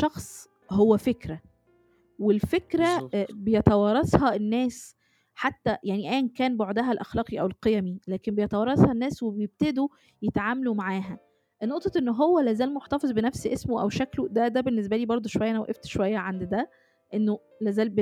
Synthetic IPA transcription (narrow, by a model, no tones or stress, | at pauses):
ʃɑxsˤ | howːæfekɾæ | welfekɾæbejet̪ɑwɑrˤɾˤɑsˤhɑenːæːs | ħat̪ːæjaʕniʔæjænkæːnboʕd̪æɦælʔæxlɑːqiʔæwelqejæmilæːkembejet̪ɑwɑɾˤːɑshɑnːæːswebejeb̚t̪ed̪u | jet̪ʕaːmælumaʕaːɦæ | ʔnːoʔt̪ˤɑt̪ʔenːɦowːælæːzæːlmoħt̪ɑfezˤbenæfsiʔesmoʔæ̰wʃæklud̪æd̪æbenːes̬bæliːbɑɾˤd̪ˤoʃowæjːænæwʔeft̪ʃowæjːæʕand̪d̪æ | ʔenːo | læːzæːlb